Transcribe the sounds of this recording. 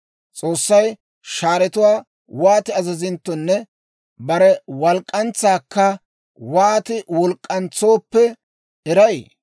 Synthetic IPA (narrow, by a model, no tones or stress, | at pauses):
t͡sʼo̞ːsːɐj | ʃaːɾɛt̪ʊwaː | waːt̪ɪɐzɐzɪnt̪ːɔnːɛ | bɐɾɛwɐlkʼːɐnt͡sːaːkːɐ | waːt̪ɪwɔlkʼːɐnt͡sːo̞ːpːɛ | ɛɾɐj